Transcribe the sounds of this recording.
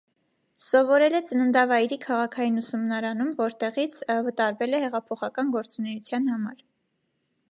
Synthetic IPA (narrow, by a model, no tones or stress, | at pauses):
sɔvɔɾɛlɛt͡sənənd̪ɑvɑjɾikʰɑʁɑkʰɑjinusumnɑɾɑnumvɔɾt̪ɛʁit͡sʰvət̪ɑɾvɛlɛhɛʁɑpʰɔχɑkɑnɡɔɾt͡sunɛjut͡sʰjɑn̪hɑmɑ̰ɾ